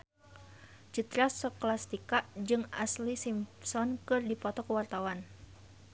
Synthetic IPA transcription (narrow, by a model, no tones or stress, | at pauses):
t͡ʃit̪ɾasɔklast̪ikaʔd͡ʒɨŋa̰slisimsɔnkɨrdipɔt̪ɔkəwart̪awan